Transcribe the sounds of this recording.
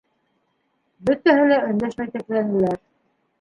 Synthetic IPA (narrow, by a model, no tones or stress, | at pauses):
bɵ̆t̪æɦɘlæɵ̆nd̪æʃmæjt̪æklænd̪ɘ̆læɾ